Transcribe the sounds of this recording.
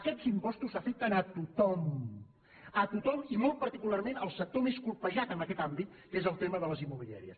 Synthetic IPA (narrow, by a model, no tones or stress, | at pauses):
əkɛd͡zimpɔst̪usəfek̚t̪ənət̪ut̪ɔm | ət̪ut̪ɔmimɔlˠt̪̚pəɾt̪ikularmenəlˠsək̚t̪omeskulˠpəʒat̪ənəkɛt̪ambit̪̚kezəlˠt̪eməðələzimːuβilija̰ɾiə̰s